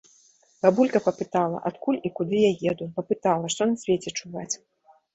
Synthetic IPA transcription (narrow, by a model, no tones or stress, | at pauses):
babulʲkɐpɐpɨt̪alˠɐ̰ʔat̪kulʲikud̪ɨjajɛd̪upɐpɨt̪alˠɐʂt̪ɔnɐsʲvʲet͡sʲɛt͡ʂuvat͡sʲ